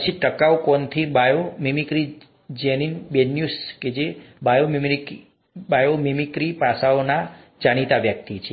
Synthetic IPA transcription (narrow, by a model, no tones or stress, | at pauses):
t͡ʃʰiʈəkawkɔnt̪ʰibajomimikɾi | d͡ʒeninbenjusked͡ʒebajomimi | bajomimikɾipasaona | d͡ʒaɽ̃it̪aʋjək̚t̪it͡ʃʰe